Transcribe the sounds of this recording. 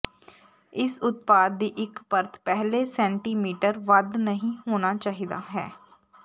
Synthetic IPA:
ɪsʊt̪̚paːd̪ːiːʔɪkpəɾt̪ʰpɛɦleːsɛ̃ːɳʈiːmiːʈəɾʋəd̪nəɦĩːhoːnaːt͡ʃaːɦid̪a̰ːɦɛː

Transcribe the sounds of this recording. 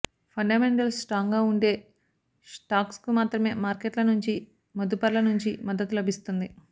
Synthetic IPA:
pʰɐɳɖaːme̞ɳʈɐlsʈɾaːŋɡaːuɳɖe̞ː | sʈaːkskumaːt̪ɾɐme̞ːmaːɾkeʈlɐnuɲt͡ʃi | mɐd̪upɐɾlɐnuɲt͡ʃimɐd̪ːɐt̪ulɐbʱist̪und̪i

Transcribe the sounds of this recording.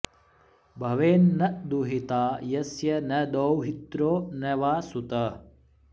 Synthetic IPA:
bʱɐʋeːnːɐʔd̪uɦit̪aːjɐsjɐnɐd̪owɦit̪ɾoːnɐʋaːsut̪ɐ

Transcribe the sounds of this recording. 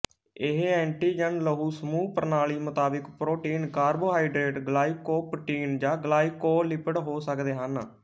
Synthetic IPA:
ɪɦɛ̃ːɳʈiːd͡ʒənləɦuːsəmuːpəɾnaːliːmʊt̪aːbɪkpɾoːʈiːnkaːɾboːɦaːiɖɾeːʈɡəlaːiːkoːpəʈiːnd͡ʒãːɡəlaːiːkoːlɪpəɽɦoːsəkd̪eːɦən

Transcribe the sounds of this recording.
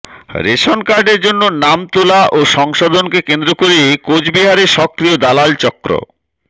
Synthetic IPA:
ɾeʃonkaɾɖeɾd͡ʑonːonamt̪olaʔoʃɔŋʃod̪ʱonkekend̪ɾokoɾeekod͡ʑbiɦaɾeɾʃɔkːɾiod̪alalt͡ɕɔkːɾo̰

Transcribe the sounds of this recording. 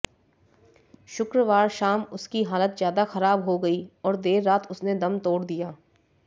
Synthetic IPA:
ʃʊkɾəʋaːɾʃaːmʊskiɦaːlət̪zjaːd̪axɐɾaːbɦoɡɐiɔːɾd̪eːɾːaːt̪ʰʊsned̪ɐmt̪oːɽd̪ijaː

